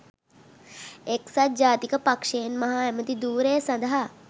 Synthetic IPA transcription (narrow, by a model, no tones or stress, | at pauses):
eksɐt̪̚d͡ʒaːt̪ikɐpɐkʂeːnmɐɦaːjɐmɐt̪id̪uːɾeːsɐ̃nd̪ɐɦɐ